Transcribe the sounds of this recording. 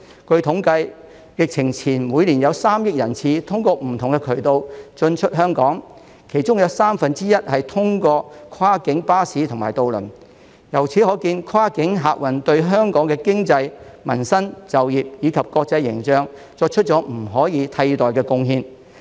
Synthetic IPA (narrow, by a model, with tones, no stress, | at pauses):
kɵ˧ɥt̪ʰʊ˨˥ŋkɐ˧j | jɪ˨k̚t͡sʰɪ˨˩ŋt͡sʰiː˨˩nmuː˨˧jliː˨˩njɐ˨˧wsaː˥mjɪ˥k̚jɐ˨˩nt͡sʰiː˨˧t̪ʰʊ˥ŋkɔː˧m̩˨˩t̪ʰʊ˨˩ŋkɛ˧kʰɵ˨˩ɥt̪o˧wt͡ʃɵ˧nt͡ʃʰɵ˥t̚ɦœː˥ŋkɔː˨˥ŋ | kʰe˨˩jt͡ʃʊ˥ŋjɐ˨˧wsaː˥mfɐ˨nt͡siː˥jɐ˥t̚hɐ˨jt̪ʰʊ˥ŋkɔː˧kʰaː˥kɪ˨˥ŋpaː˥siː˨˥t̪ʰʊ˨˩ŋmaː˨˩jt̪o˨˧wlɵ̰˨˩n | jɐ˨˩wt͡sʰi˨˥hɔː˨˥kiː˧nkʰwaː˥kɪ˨˥ŋɦaː˨k̚wɐ˨˩nt̪ɵ˧ɥɦœː˥ŋkɔː˨˥ŋkɛː˧kɪ˥ŋt͡sɐ˧jmɐ˨˩nsɐ˥nt͡sɐ˨wjiː˨p̚jiː˨˧kʰɐ˨p̚kɔː˧k̚t͡sɐ˧jːɪ̰˨˩ŋt͡ʃœː˧ŋ | t͡sɔː˧k̚t͡ʃʰɵ˥t̚t͡ʃɔː˨˥m̩˨˩ɦɔː˨˥jiː˨˧t̪ʰɐ˧jt̪ɔː˨jkɛː˧kʊ˧ŋhiː˧n